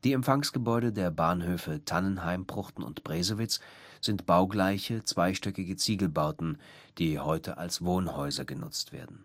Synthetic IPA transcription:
d̥iːɛmfaŋsɡ̥əbɔʏɾədeːɐbaːnhøːfətʰanənɦaɪmbʁ̥ʊχtn̩ʊ̰ntb̥ʁɛːzəvɪt͡sz̥ɪntb̥aʊɡlaɪçət͡sv̥aɪʃtœkɪɡət͡siːɡl̩baʊtn̩d̥iːhɔʏtʰəʔa̰lsv̥oːnhɔʏzɐɡənʊ̰t͡stv̥ḛːɐdn̩

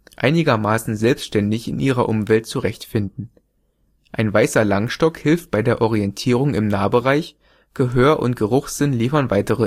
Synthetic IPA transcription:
ʔa̰ɪnɪɡɐmaːsn̩zɛlpstʃtɛndɪçɪ̰nʔiːʁɐʔʊmvɛltt͡suʁɛçtfɪndn̩ | ʔaɪnvaɪsɐlaŋʃtɔkhɪlft̚b̥aɪdeːɐʔɔʁiɛntʰiːʁ̞ʊŋɪmnaːbəʁaɪç | ɡ̥əɦøːɐʔʊ̰ntɡ̥əʁʊχz̥ɪnliːfɐnvaɪtəʁə

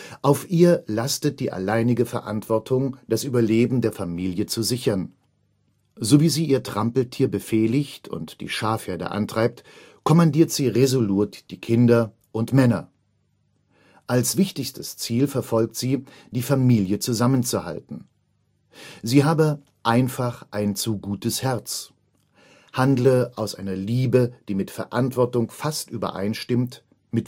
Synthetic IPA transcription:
ʔaʊfʔiːɐlastət̚d̥iːʔa̰laɪnɪɡəfɛɐʔa̰ntv̥ɔɐtʰʊŋd̥asʔyːbɐleːbm̩deːɐfamiːljət͡suzɪçɐn | zoviːziːʔiːɐtʁ̥ampl̩tʰiːɐbəfɛːlɪçtʊ̰ntd̥ḭːʃaːfheːɐdə̰ʔa̰ntʁ̥aɪp̚t | kʰɔmandiːɐtz̥iːʁezoluːtd̥iːkʰɪndɐ | ʔʊntmɛnɐ | ʔalsv̥ɪçtɪçstəst͡siːlfɛɐfɔlk̚tz̥iː | d̥iːfamiːljət͡suzamənt͡suha̰ltn̩ | ziːɦaːbə | ʔaɪnfaχʔaɪnt͡suɡuːtəshɛɐt͡s | handləʔaʊsʔaɪnɐliːbəd̥iːmɪtfɛɐʔantv̥ɔɐtʊŋfastʔyːbɐ̰ʔa̰ɪnʃtɪmt | mɪt

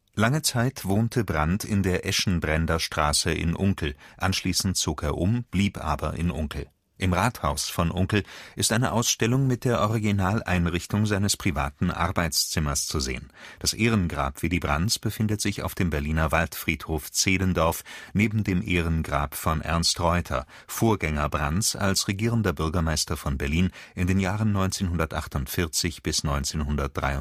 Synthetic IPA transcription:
laŋət͡saɪtv̥oːntʰəbʁantʰɪndeːɐʔɛʃn̩bʁɛndɐʃtʁ̥aːsəʔɪ̰nʔʊŋkl̩ʔanʃliːsn̩tt͡soːkeːɐʔʊmb̥liːpʔa̰ːbɐ̰ʔɪ̰nʔʊŋkl̩ | ʔɪmʁaːthaʊsfɔnʔʊŋkl̩ʔɪstʔaɪnəʔaʊsʃtɛlʊŋmɪt̚d̥eːɐʔɔʁiɡinaːlʔa̰ɪnʁɪçtʊŋzaɪnəspʁ̥iva̰ːtn̩ʔa̰ʁbaɪt͡st͡sɪmɐst͡suzḛːənd̥asʔeːʁ̞ənɡʁa̰ːpv̥iːdiːbʁa̰nt͡sb̥əfɪndətz̥ɪça̰ʊfd̥eːmbɛɐliːnɐvaltfʁ̥iːthoːft͡seːdəndɔɐfneːbm̩deːmʔeːʁənɡʁa̰ːpfɔnʔɛ̰ɐnstʁɔʏtʰɐ̰ | foːɐɡɛŋɐbʁant͡sa̰lsʁeɡiːʁəndɐbʏɐɡɐmaɪstɐfɔnbɛɐliːnʔɪndeːnjaːʁ̞ənːɔʏnt͡seːnɦʊndɐtʔaχtʊntfɪɐt͡sɪçb̥ɪsnɔʏnt͡seːnhʊndɐt̚d̥ʁa̰ɪʊ

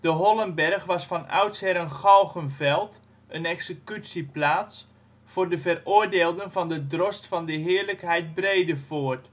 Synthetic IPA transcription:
d̥əɦɔlənbɛrχʋɑsfɑnœ̰ɥtsɛɾənχɑlˠχənvɛlˠt | ʔənɛksəkytsiplaːts | fʊːrdəvərʊːɹdeːlˠdənvɑndədrɔstfɑndəɦɪːɹləkɦɛjt̚brejdəfoːt

